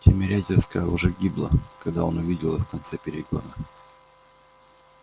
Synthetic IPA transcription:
tʲɪmʲɪɾʲætʲɪrskəəʊʐɛɡʲiblˠə̰kɐɡd̪aonʊvʲidʲɪlˠɨfkɐnt̪sɛpʲɪɾʲɪɡo̞̰d̪ə

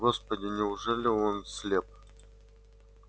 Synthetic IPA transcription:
ɡospədʲɪnʲɪʊʐɛlʲɪonsʲlʲep̚

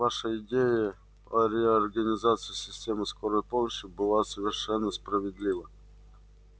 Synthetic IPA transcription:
vaʂəɪdʲejɪ | əɾʲɪɐrɡənʲɪzat̪sɨɪsʲɪsʲtʲemɨskoɾəjpomˠəɕːɪbɨlˠasəvʲɪrʂɛnːəspɾəvʲɪd̪lʲivə

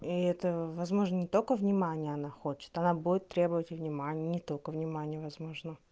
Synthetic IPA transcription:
iɛt̪əvɐzmo̞ʐnənʲɪt̪okəvnʲɪmanʲɪjəɐnaxo̞t͡ɕɪ̥t̪ɐnabudʲɪt̪ːɾʲe̞bəvətʲɪvnʲɪmanʲɪjənʲɪt̪o̞lʲkəvnʲɪmanʲɪjəvɐzmo̞ʐnə

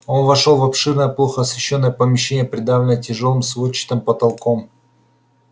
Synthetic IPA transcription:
o̞nvɐʂolˠvɐpʂɨrnəjəplˠoxəɐsvʲɪɕːonːəjəpəmʲɪɕːenʲɪjəpɾʲɪd̪avlʲɪnəətʲɪʐo̞lˠɨmsvot͡ɕːɪ̥t̪əmpət̪ɐlˠkom

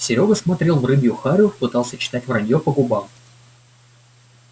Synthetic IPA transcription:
sʲɪɾʲoɡəsmɐt̪ɾʲe̞lˠvrɨbʲjʊxaɾʲofpɨt̪alˠsʲət͡ɕɪ̥t̪atʲvrɐdʲjopəɡʊbam

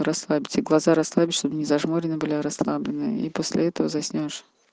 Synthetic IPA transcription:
ɾɐslˠabʲɪtʲɨɡlˠɐzaɾɐslˠabʲɪt̪ʲʂt̪obnʲɪzɐʐmoɾʲɪnəbɨlʲaɾɐslˠablʲɪnɨ̰ḭposʲlʲɪɛt̪əvəzɐsʲnʲoʂ

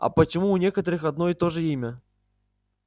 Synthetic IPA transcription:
ɐ̰pət͡ɕɪmuːnʲekət̪əɾɨxɐd̪no̞ɪt̪o̞ʐɨimʲə

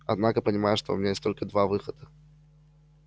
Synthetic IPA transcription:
ɐ̰d̪nakəpənʲɪmajʊʂt̪oʊ̰mʲɪnʲajesʲt̪olʲkəd̪vavɨxəd̪̥ə

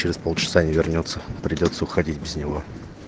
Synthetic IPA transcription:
t͡ɕɪɾʲɪspo̞lˠt͡ɕɪ̥sanʲɪvʲɪrnʲot̪səpɾʲɪdʲo̞t̪səʊxɐdʲitʲbʲɪznʲɪvo̞

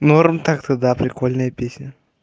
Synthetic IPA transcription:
noɾmt̪akt̪əd̪apɾʲɪkolʲnəjəpʲesʲnʲə

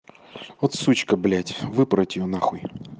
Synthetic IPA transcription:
ot̪sut͡ɕkəblʲætʲvɨpɾɐtʲɪjonaxuj

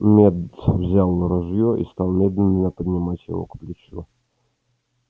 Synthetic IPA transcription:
mʲɛd̪vzʲalˠnəɾɔʐjɔʔḭst̪alˠmʲɛd̪lʲɪnɪnəpəd̪ʲnʲɪmat͡sʲjɪ̰vɔ̰kplʲɪt͡ɕu

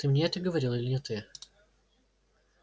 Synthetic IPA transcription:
t̪ɨmnʲeɛt̪əɡəvɐɾʲilˠɪlʲɪnʲɪt̪ɨ

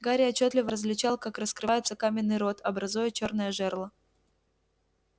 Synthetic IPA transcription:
ɡaɾʲɪɐt͡ɕːot̪lʲɪvəɾəzvlʲɪt͡ɕalˠkakrəskɾɨvajɪt̪səkamʲɪnːɨjɾo̞t̪ɐbɾɐzujət͡ɕo̞rnəjəʐɛrlˠə

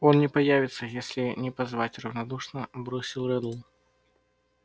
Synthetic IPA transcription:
ɔnnʲɛpajavʲit̪sːɐjasʲlʲinʲɛpazvat͡sʲrɐwnad̪uʂnɐbɾɔsʲilˠɾɛd̪ˠ

